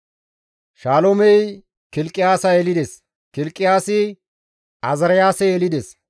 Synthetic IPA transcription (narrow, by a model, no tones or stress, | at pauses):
ʃaːlomɛj | kɪlkʼːɪjaːsɐɛlɪd̪ɛs | kɪlkʼːɪjaːsɪ | ɐzɐɾɐjaːsɛjɛlɪd̪ɛs